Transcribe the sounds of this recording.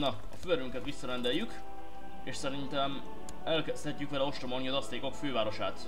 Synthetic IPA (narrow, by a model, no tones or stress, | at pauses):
nɒ | ɒ̰føɾyŋkɛt̪ʋisːɒɾɛnd̪ɛjːyk | eːʃsɛɾint̪ɛm | ɛlkɛst̪ʰɛcːykʋɛlɛo̞ʃt̪ɾomolniɒzɒst̪eːko̞kføːvaːɾo̞ʃaːt̪